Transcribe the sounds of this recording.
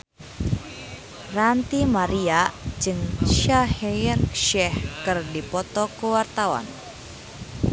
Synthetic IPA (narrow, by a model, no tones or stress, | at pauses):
rant̪imaɾiaʔd͡ʒɨŋʃahɛrʃɛhkɨrdipɔt̪ɔkəwart̪awa̰n